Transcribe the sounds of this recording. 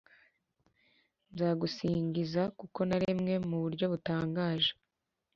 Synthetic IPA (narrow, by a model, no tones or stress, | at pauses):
nzaːɡusiːɲɡizakuko̞naɾemŋe̞muβuɾɟo̞βutaːŋɡaːʒe